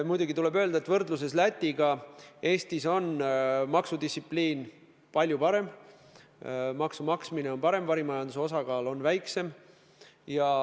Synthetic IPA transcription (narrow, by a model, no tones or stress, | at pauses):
mujd̪̥uɡ̥it̪ule̞bø̞ːld̪ɑet̪vɤrd̪lus̬e̞slæt̪ʲːiɡ̥ɑe̞ːst̪iso̞nmɑksud̪issipliːn | pɑlʲjupɑɾe̞m | mɑksumɑksmine̞o̞npɑɾe̞mvɑɾimɑjɑnd̪̥useo̞s̬ɑɡɑːlo̞nvæjkse̞m | jɑ